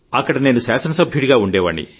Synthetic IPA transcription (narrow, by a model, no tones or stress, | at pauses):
ɐkːɐɽɐne̞ːnusaːsɐnɐsɐbʱjuɽiɡaːuɳɖɛːʋɐ̰ɳːḭ